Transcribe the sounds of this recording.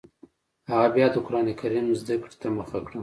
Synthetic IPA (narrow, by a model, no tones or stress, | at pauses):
haɣabjɑd̪əkʊɾɑnekaɾimzd̪akɽi̥t̪aməxakɽəm